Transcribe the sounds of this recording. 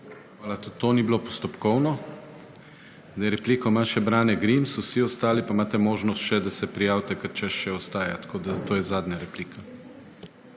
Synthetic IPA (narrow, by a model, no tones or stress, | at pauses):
xʋaːlat̪ot̪oːniblopɔst̪ɔpkɔwnɔ | d̪ajɛɾɛpliːkɔmaʃɛbɾaːnɛɡɾimsɔwsiɔst̪aːlipamaːt̪ɛmoːʒnɔst̪ʃɛd̪asɛpɾijaːwt̪ɛkaɾt͡ʃɛʃʃɛɔst̪aːjat̪kʰoːd̪at̪oːjɛzaːd̪ɲaɾɛpliːkʰa